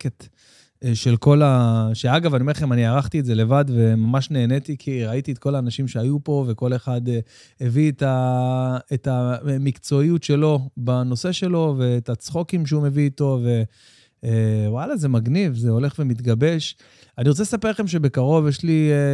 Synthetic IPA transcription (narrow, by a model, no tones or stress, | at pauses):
ket̪ | ʃe̞lko̞laʃeaɡavanieeχemaniaʁaχt̪ietze̞le̞vadve̞mamaʃne̞ːnetikʰiʁait̪iet̪̚ko̞laːnaʃimʃeajupo̞ve̞ko̞le̞χad̪e | evieta | etamikt͡so̞ijutʃe̞lo̞bano̞se̞ʃe̞lo̞ve̞ːtat͡sχokimʃeume̞viːto̞ve̞ | walaze̞maɡnivzeo̞le̞χve̞mit̪ɡabe̞ʃ | aniʁot͡selesapelχe̞mʃ̬e̞be̞kaʁo̞vjeʃli